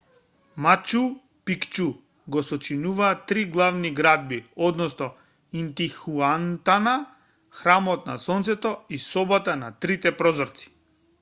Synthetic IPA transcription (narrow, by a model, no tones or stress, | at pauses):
mat͡ʃu | pikt͡ʃu | ɡɔsɔt͡ʃinuvaːt̪ːɾiɡlˠavniɡɾad̪̚biɔd̪nɔsnɔ | int̪ixuant̪ana | xɾamɔt̪na̰sɔnt̪sɛt̪ɔisɔbat̪anat̪ɾit̪ɛpɾɔzɔɾt̪si̥